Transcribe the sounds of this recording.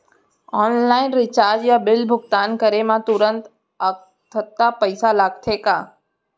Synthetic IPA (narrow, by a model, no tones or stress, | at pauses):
ɔːnlaːɪnɾɪt͡ʃaːɾd͡ʒjabɪlbʱʊɡ̚t̪aːnkəɾemãt̪ʊɾə̃nt̪ | ək | t̪ʰət̪ːapəɪsalaːɡ̚t̪ʰeːkaː